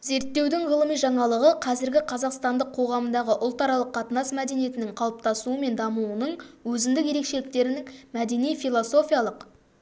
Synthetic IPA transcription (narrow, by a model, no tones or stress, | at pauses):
ze̞ɾt̪ːe̞wd̪ɪŋʁəlˠəmijʒɑɴɑlˠəʁəqʰɑzɪɾɡʲɪqʰɑzɑqst̪ɑnd̪əqʰo̞ʁɑmənd̪ɑʁəʔʊlˠt̪ɑɾɑlˠəqʰːɑt̪ənɑsmæd̪e̞nije̞t̪ɪnɪŋqʰɑlˠəp̚t̪ɑsuəme̞nd̪ɑməlˠuənəɴwɵzɪnd̪ɪkje̞ɾe̞kʃe̞lɪk̚t̪e̞ɾɪnɪŋmæd̪e̞nijfʲijlˠoso̞fʲijɑlˠəq